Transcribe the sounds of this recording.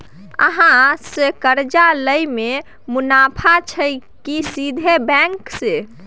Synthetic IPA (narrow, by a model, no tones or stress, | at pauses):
ə̰ɦãsekəɾd͡ʒaləjme | munapʰat͡ʃʰəɪkisid̪ʱebɛ̃ŋkse